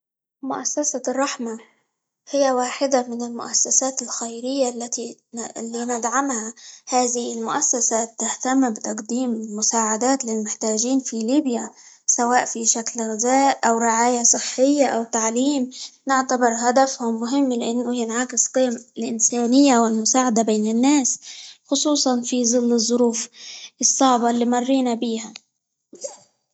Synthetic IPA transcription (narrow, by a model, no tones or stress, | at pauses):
mʊʔasːasarˤːɑħma | hɪjːawaːħɪd̪amɪnɪlmʊ̰ʔasːasaːt̪ɪlxajɾɪjːalːat̪ilːiːnɪd̪ʕamhahaːðɪhɪlmʊʔasːasat̪ːaht̪ambɪt̪ɑqd̪iːmmʊsaːʕad̪aːt̪lɪlmʊħt̪aːʒiːnfiliːbja | sawaːʔfiʃaklɣɪzaːʔʔawɾɪʕaːjasˤɨħːɪjːaʔawt̪aʕliːmnɪʕt̪abɪɾɦad̪afhʊmːʊɦɪmːlɪʔɪnːʊjɪnʕakɪsqiːmɪlʔɪnsaːnɪjːawɪlmʊsaːʕad̪abeːnɪnːaːsxʊsˤuːsˤɑnfiðˤɨlːɨzˤːʊɾuːfʔɨsˤːɑʕbɑlːiːmɑrˤːiːnabiːha